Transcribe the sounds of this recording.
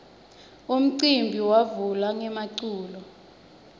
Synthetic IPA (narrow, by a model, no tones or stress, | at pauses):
um̩ǀimbʱiwavulaŋɛmaǀuːlɔ